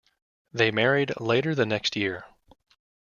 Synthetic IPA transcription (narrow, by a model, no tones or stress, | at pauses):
ðeɪmɛɹidˡleɪɾə˞ðɨnɛkstjɪɹ